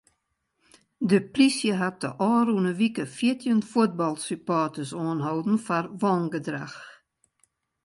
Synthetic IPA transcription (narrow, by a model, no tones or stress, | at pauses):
dəprisjəɦat̚də̰ʔɔːrunəʋikəfjitʰjənfuət̚bɑlˠsypɔːtəsoːnɦowdn̩farʋɔŋɡədra̰x